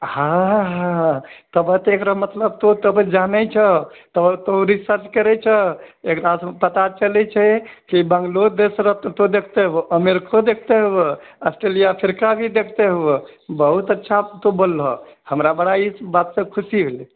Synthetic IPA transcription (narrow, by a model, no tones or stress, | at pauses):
hãɦãt̪əbət̪ekɾamət̪ləbt̪ot̪əbəd͡ʒanɛt͡ʃʰət̪ət̪oɾisəɾt͡ʃkəɾɛt͡ʃʰəekɾaspət̪at͡ʃəlɛt͡ʃʰɛkibə̃ŋɡlod̪esɾət̪od̪ekʰt̪eɦuʔəmeɾkod̪ekʰt̪eɦue | əsʈɾelijapʰiɾkabʱid̪ekʰt̪eɦue | bəɦut̪ətːʃʰat̪obolːɦɔhəmɾabəɽaibat̪sə̃kʰusiɦeli